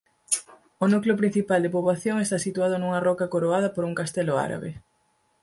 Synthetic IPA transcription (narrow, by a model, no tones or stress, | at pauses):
onukleopɾin̟θipald̪epoβlaθjoŋest̪asit̪uað̞ʊnuŋɐrɔkɐkoɾoað̞ɐpoɾuŋkast̪elʊa̰ɾa̰βḛ